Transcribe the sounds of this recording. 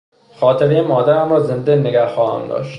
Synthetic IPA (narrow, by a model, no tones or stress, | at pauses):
xɒːt̪ʰeɾejemɒːd̪æɾæmɾɒːze̞nd̪enːeɡæhxɒːhæ̰md̪ɒ̰ːʃt̪